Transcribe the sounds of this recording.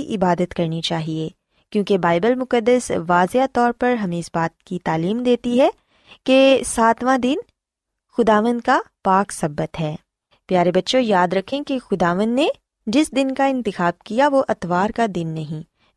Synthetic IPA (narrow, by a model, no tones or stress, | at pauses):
iʔɪbaːd̪ət̪kɐɾnit͡ʃaːɦieː | kjõːkebaːɪbəlmʊkəd̪ːəsʋaːzejat̪ɔːɾpɐɾɦɐmẽɪsbaːt̪̚kit̪aːliːmd̪eːt̪iɦɛ | kesaːt̪ʋãd̪ɪn | xʊd̪aːʋə̃nd̪̚kapaːksɐbːət̪ɦɛː | pjaːɾebɐtːʃõjaːd̪ɾɐkʰẽkexʊd̪aːʋə̃nd̪ne | d͡ʒɪsd̪ɪnkaɪ̃nt̪ɪxaːb̚kijaʋoʔɐt̪ʋaːɾkad̪ɪnːɐɦĩ